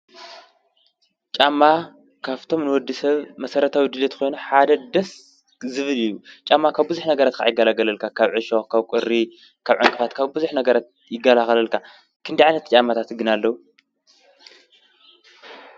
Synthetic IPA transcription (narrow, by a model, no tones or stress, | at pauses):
t͡ʃʼamːa | kʰaβt̪ʰo̞mnɨwɔd̪ːisɐβmɐsɐɾɐt̪ʰawid̪ɨlet̪kʰo̞jnuħad̪ɐd̪ɐs | zɨβɨlɨjːut͡ʃʼamːakʰaβbɨzuħnɐɡɐɾat̪kʰa̰ʕjɪɡɐlaɡɐlɐlkʰakʰaβʕɨʃokʰaβkʷʼɨɾi | kʰaβʕaŋkʼɨfat̪kʰaβbuzuħnɐɡɐɾat̪̚ | jɪɡːɐlaxɐlɐlkʰa | kʰɨnd̪iʕajnɐt̪t͡ʃʼamːat̪ʰat̪ɡɨnalːɐwu